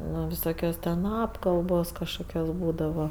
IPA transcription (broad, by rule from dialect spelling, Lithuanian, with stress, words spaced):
ˈnoː ʋʲɪˈsoːkʲoːs tʲɛn ˈɑːpkɐlˠboːs kɐʃˈkoːkʲoːs ˈbuːdɐʋɐ